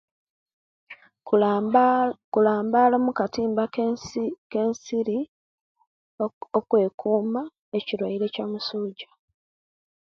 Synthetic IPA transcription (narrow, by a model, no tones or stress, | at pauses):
kulaːmbalomukatiːmba | ke̞nsiɾi | okwe̞ːkʰuːma | eciɾwaiɾe̞camusuːɟḁ